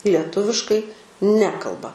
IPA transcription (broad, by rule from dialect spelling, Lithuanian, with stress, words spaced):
lʲiɛˈtʊʋʲɪʃkɐɪ ˈnʲæːkɐlˠbɐ